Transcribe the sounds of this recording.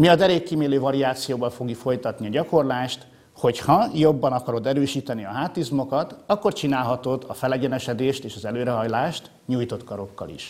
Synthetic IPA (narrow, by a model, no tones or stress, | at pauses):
miɒd̪ɛɾeːkːimeːløːvɒɾiaːt̪sijoːvɒlfo̞ɡjifo̞jt̪ɒt̪niɒɟɒko̞rlaːʃt̪ | ho̞chɒjo̞bːɒnɒkɒɾo̞d̪ɛɾøːʃiːt̪ɛniɒɦaːt̪izmo̞kɒt̪ɒkːo̞rt͡ʃinaːlɦɒt̪o̞d̪ɒfɛlɛɟɛnɛʃɛd̪eːʃt̪eːʃɒzɛløːɾɛɦɒjlaːʃt̪ | ɲuːjt̪o̞t̪kɒɾo̞kːɒ̰lḭʃ